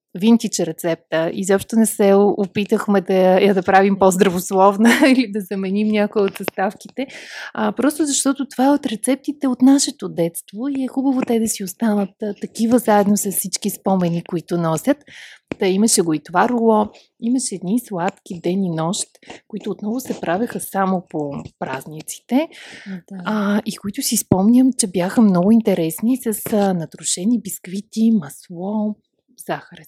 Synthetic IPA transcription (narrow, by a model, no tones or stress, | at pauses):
vint̪it͡ʃɛɾɛt̪sɛp̚t̪əizɔpʃt̪onɛsɛʊpit̪əxmɛd̪ɐjad̪ɐpɾavimpozd̪ɾɐvoslˠɔvnəilid̪ɐzɐmɛnimnʲakʊjɛot̪zɐst̪afkit̪ɛəpɾɔst̪ʊzɐʃt̪ɔt̪ot̪ovaɛot̪ɾɛt̪sɛp̚t̪it̪ɛot̪naʃɛt̪od̪ɛt̪st̪voiɛxubəvot̪ɛd̪ɐsiost̪anət̪t̪ːɐkivəzaɛd̪nosɐssit͡ʃkispɔmɛnikoit̪ʊnɔsʲət̪iməʃɛɡoit̪vaɾʊlˠɔ | imɐʃɛːd̪nislˠat̪kʲid̪ɛninɔʃt̪koit̪ʊːt̪nɔvʊsɛpɾavʲɐxəsamopopɾaznit̪si̥t̪ɛ | ikoit̪ʊsispɔmnʲəmt͡ʃɛbjaxəmnɔɡʊint̪ɛɾɛsnisəsnɐt̪ɾʊʃɛnibiskvit̪imɐslˠɔ | zaxəɾɛs